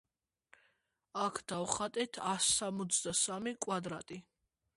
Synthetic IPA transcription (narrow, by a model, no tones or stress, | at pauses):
akʰd̪̥avχat̪ʼɛt̪ʰasːamɔt̪sʰd̪asamikʼwad̪ɾat̪ʼi